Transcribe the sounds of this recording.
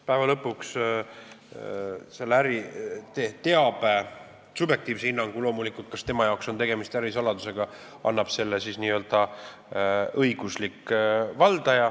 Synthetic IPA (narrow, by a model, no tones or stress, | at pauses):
pæevɑlɤpːuks | selːæɾit̪et̪e̞ɑb̥e | subje̞k̚t̪iːvsehinːɑŋɡ̥ulo̞ːmulikult̪̚kɑst̪e̞mɑjɑokso̞nt̪e̞ɡe̞mist̪æɾisɑlɑd̪use̞ɡ̥ɑ | ɑ̰nːɑb̥se̞lːesisniːø̞ld̪̥ɑ | ɤjɡ̥uslikːvɑld̪̥ɑjɑ